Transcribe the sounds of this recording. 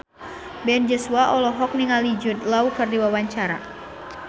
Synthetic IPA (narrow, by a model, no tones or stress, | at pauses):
bɛnd͡ʒɔsuaʔɔlɔɦɔk̚niŋalid͡ʒʊt̪̚laukərdiwawaɲt͡ʃaɾa̰